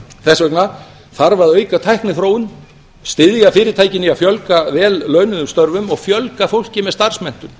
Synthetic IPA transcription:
θɛsvɛkna | θaɾvaðœːɥkat̪ʰajhknɪθɾoːwʏn | st̪ɪðjafɪːɾɪɾt̪ʰaːjcɪnːiafjœlkavɛːlːœːɥnʏðʏmst̪œɾvʏmɔɣfjœlkafowl̥cɪmɛðst̪ar̥smɛn̥t̪ʏm

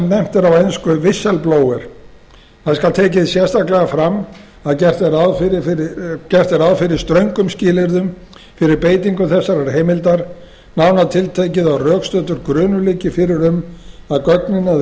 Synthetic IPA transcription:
mnɛm̥t̪ɛɾawejnskʏvɪsːɛlploːwɛɾ̥ | θaðskalt̪ʰeːcɪðsjɛ̥st̪ahklɛɣafɾamː | aðcɛr̥t̪ɛɾaðfɾɪɪcɛr̥t̪ɛɾawðfɪɾɪ̥st̪ɾœɥŋkʏmscɪːlɪɾðʏm | fɪɾɪɾpeːjt̪iŋkʏθɛsːaɾaɾ̥ɦejmɪlt̪aɾ̥ | nawnaðt̪ʰɪlt̪ʰejcɪðawrœːkst̪œːt̪ʏɾkɾʏːnʏliːcɪfɪɾɪɾʏmaðkœknɪna

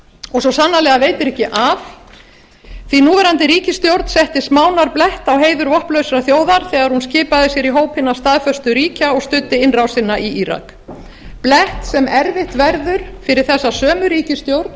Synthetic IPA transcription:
ɔɣsɔsanːalɛːɣaveːjt̪ɪɾɛhcɪʔav | θvinuːvɛɾant̪ɪɾiːcɪst̪jowɾt̪n̥sɛht̪ɪsmaːwnaɾplɛht̪awɦeːjðʏɾvɔhplœɥsɾaθjoːwðaɾ̥θɛːɣaɾhunscɪːpaðɪsjɛɾiɦoːwphɪnːḁst̪aðfœst̪ʏɾiːcaɔɣst̪ʏt̪ːɪɪnrawsɪnːaʔiiɾa̰k | plɛht̪sɛmɛɾvɪht̪vɛɾðʏɾ̥fɪɾɪɾ̥θɛsːasœːmʏɾiːcɪst̪jowɾt̪n

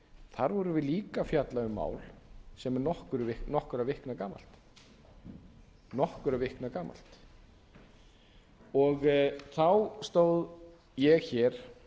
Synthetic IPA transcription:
θaɾvɔɾʏvɪðliːkafjat̪laʏmːa̰ːwlsɛmɛɾnɔhkʏɾʏvɪhknɔhkʏɾavɪhknakaːma̰lt̪ | nɔhkʏɾavɪhknakaːma̰l̥t̪ | ɔɣθawst̪oːwð | jɛɣçɛɾ̥

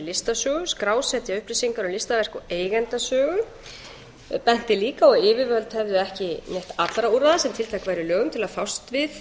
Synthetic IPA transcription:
lɪst̪asœːɣʏskɾaːwsɛt̪jaʏhprisiŋkaɾɔlɪst̪avɛr̥kaeːjɣɛnt̪asœːɣʏ | pɛn̥t̪ɪliːkaɔɣɪːvɪvœlt̪hɛvðʏɛhcɪneht̪at̪lɾauɾaðasɛmt̪ʰɪlt̪ʰajkvajɾɪlœːɣʏmt̪ʰɪlaðfawst̪vɪθ

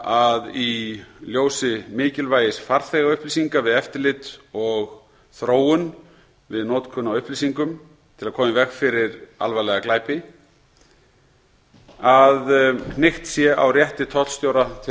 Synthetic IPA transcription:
aðiljoːwsɪmɪːcɪlvaːjɪsfaɾθɛːɣaʏhplisiŋkavɪðɛft̪ɪɾlɪt̪ɔɣ | θɾoːwʏn | vɪðnɔːt̪kʰʏnːawʏhplisiŋkʏm | t̪ʰɪlakʰɔːmɪvɛxfɪɾɪɾa̰lvajlɛɣaklaːjpɪ | aðnɪxt̪sjɛʔa̰wrjɛht̪ɪt̪ʰɔt̪st̪joːwɾat̪ʰ

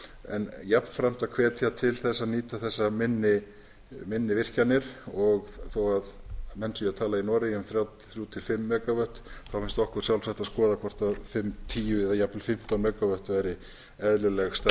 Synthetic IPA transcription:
ɛ̰njapnfɾam̥t̪akʰvɛːt̪ʰjat̪ʰɪlθɛsːaniːt̪aθɛsːamɪnːɪ | mɪnːɪvɪr̥canːɪɾ̥ɔɣθowaðmɛnsʏjat̪ʰaːlainɔːɾɪʏmθɾjaːwt̪θɾjut̪ʰɪlfɪmːɛːkavœht̪θawfɪnst̪ɔhkʏɾ̥sjawlsaht̪aðskɔːðakʰɔr̥t̪aðfɪmt̪ʰiːjʏɛðajaplfɪm̥t̪anmɛːkavœht̪vajɾɪ | ɛðlʏlɛɣst̪a

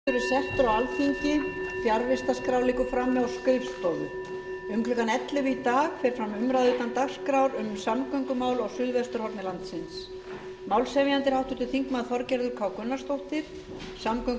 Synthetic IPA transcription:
ɪɾɪɾ̥sɛft̪ʏɾawalfiɲcɪfjaɾvɪst̪askɾaːwliːkʏfɾamːɛawskœɥst̪ɔðʏ | ʏŋklʏkanɛt̪lɪvɪit̪aːɣfɛɾ̥fɾamʏmɾaðʏːt̪ant̪axskɾawɾʏmsamkœɥŋkʏmaːwlaɣsʏðvɛst̪ʏɾhɔɾp̪nɪlant̪sɪns | maːwlsɛvjant̪ɪɾ̥hawht̪ʏɾt̪ʰɪlθiŋkmaðθfɔɾcɛɾðʏɾkʰvaːwkʏnːast̪owht̪ɪɾ̥ | samkœŋ

